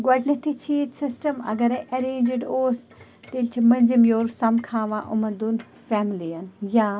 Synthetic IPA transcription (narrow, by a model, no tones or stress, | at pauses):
ɡwɐɖnɐt̪ʰit͡ʃʰiːt̪sɪsʈɐmɐ̰ɡɐɾeʔɐɾẽːnd͡ʒɖoːs | t̪ilʲt͡ʃʰimɐ̃nzimjoːɾsɐmkʰãːʋãːʔʊmɐnd̪un | fɛːmɪliɐnjaː